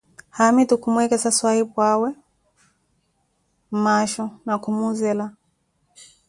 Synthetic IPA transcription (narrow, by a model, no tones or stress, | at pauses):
hamitukumwɛkɛsaswahipwawɛ | m̩maʃɔnakumuzɛla